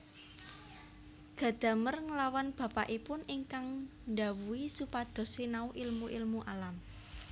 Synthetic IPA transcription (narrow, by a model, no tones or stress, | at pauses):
ɡ̥ä̤d̪̥ä̤mərŋəlawanb̥ä̤paʔipʊniŋkaŋnda̤wuwisupad̪̥ɔ̤senauʔɪlmuʔɪlmuʔalam